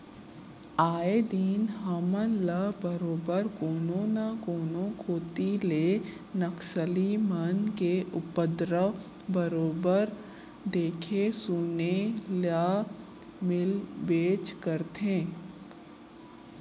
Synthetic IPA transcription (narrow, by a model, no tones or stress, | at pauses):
aːed̪iːnɦamənləbəɾoːbəɾkoːnõnakoːnõkʰoːt̪ile | nəksəlimənkeʔʊpəd̪ɾə | bəɾoːbəɾ | d̪eːkʰesuːnelaː | mɪlbeːt͡ʃkəɾt̪ẽː